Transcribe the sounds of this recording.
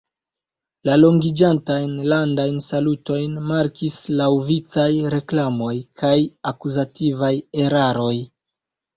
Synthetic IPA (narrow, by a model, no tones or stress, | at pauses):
lalo̞ŋɡid͡ʒantajnlandajnsaluto̞jnmaɾkislawvit͡sajɾe̞klamo̞jkʰajakuzativajeɾaɾo̞j